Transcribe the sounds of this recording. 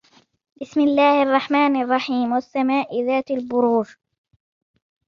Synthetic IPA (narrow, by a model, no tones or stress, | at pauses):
bɪsmɪlːaːhɑrˤːɑħmaːnɑrˤːɑħiːmwasːamaːʔɪðaːt̪albʊɾuːʒ